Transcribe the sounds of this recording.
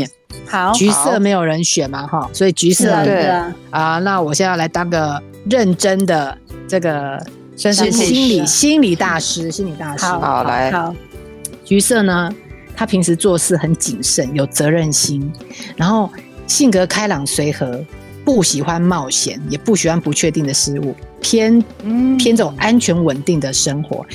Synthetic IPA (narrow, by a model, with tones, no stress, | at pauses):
t͡ɕy˧˥sɤ˥˩me˧˥ɪjo˨˩ʊɻə˧˦nɕɥɛ˨˩ma˨xɔ˥˩swɔ˧˥i˨˩t͡ɕy˧˥sɤ˥˩ | ə˨na˥˩wɔ˨˩ɕjɛ˥˧˥la˧˥ɪt̪ɑ˥ŋɡə˧ | ɻə˥˩nʈ͡ʂə˥nd̪ə˨ʈ͡ʂɤ˥˩ɡə˩ | ə˥˧nʂ̩˥˧i˥nli˨˩ɕi˥nli˨˩t̪a˥˩ʂɻ̩˥ɕi˥nli˨˩t̪a˥˩ʂɻ̩˧˥˦ | t͡ɕy˧˥sɤ˥˩nə˩t̪ʰa˥pʰi˧˥ŋʂʰɻ̩˧˥t͡swɔ˥˧sɹ̩˥˩xə˧˥nt͡ɕi˨˩ŋʂə˥˩njo˨˩ʊt͡sɤ˧˥ɻə˥˩nɕi˥nɻa˧˥nxo˥˩ʊɕi˥˩ŋkɤ˧˥kʰa˥ɪlɑ˨˩ŋswe˧˥ɪxɤ˧˥ | pu˥˩ɕi˨˩xwa˦nmɑ˥˩ʊɕjɛ̰˧˥˦njɛ˨˩pu˥˩ɕi˨˩xwa˦npu˧˥t͡ɕʰɥɛ˥˧t̪i˥˩ŋd̪ə˩ʂɻ̩˥ṵ˥˩pʰjɛ˥npʰjɛ˥nt͡so˨˩ŋʔa˥nt͡ɕʰɥɛ˧˥nwə˨˩nt̪i˥˩ŋd̪ə˩ʂə˥ŋxwɔ̰˧˥˦